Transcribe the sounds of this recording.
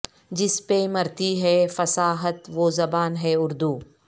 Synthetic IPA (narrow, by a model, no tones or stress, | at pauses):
d͡ʒɪspemɐɾt̪iɦɛːfɐsaːɦət̪ʋoːzɐbaːnɦɛʊɾd̪uː